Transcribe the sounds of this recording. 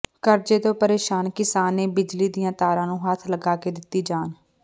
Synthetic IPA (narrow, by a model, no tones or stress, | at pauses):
kəɾd͡ʒeːt̪õːpəɾeːʃaːnkɪsaːneːbɪd͡ʒliːd̪ijãːt̪aːɾãːnũːɦaːt̪ʰləɡaːkeːd̪ɪt̪ːiːd͡ʒaːn